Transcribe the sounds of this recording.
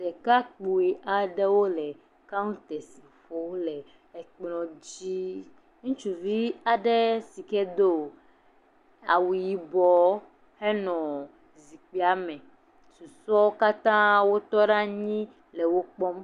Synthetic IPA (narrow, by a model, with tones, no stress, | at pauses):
sɛ˨ka˦k͡pu˨e˨ʔa˨ɖɛ˦wo˦lɛ˨ | ka˦ŋũ˦t̪ɛ˨si˨fo˦lɛ˨ | e˨k͡plɔ̃˨d͡ʑi˦ | ŋũ˦t͡ʃu˨vi˦a˨ɖɛ˦si˨kɛ˦d̪o˦˨ | a˨wu˨ji˨bɔ˨ | he˦nɔ̃˨ | zi˨k͡pi˦a˦mɛ̃˨ | su˨sɔ˦wo˦ka˦t̪ã˦wo˦t̪ɔ˦ɖa˦ɲĩ˦ | le˨wo˦k͡pɔ˦m